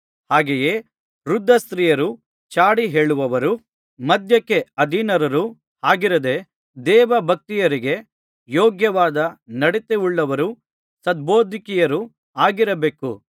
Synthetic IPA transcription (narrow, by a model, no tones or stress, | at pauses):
haːɡeje̞ː | ɾud̪ʱːɐst̪ɾiːjɐɾu | t͡ʃaːɽiɦe̞ːɭuʋɐʋɐɾu | mɐd̪ʱjɐkːe̞ɐd̪ʱinɐɾɐɾu | haːɡiɾɐd̪e̞ | d̪ɛːʋɐbʱɐk̚t̪ijɐɾiɡe̞ | joːɡjɐʋaːd̪ɐnɐɽet̪euɭːɐʋɐɾu | sɐd̪̚boːd̪ʱikijɐɾu | aːɡiɾɐbeːkṵ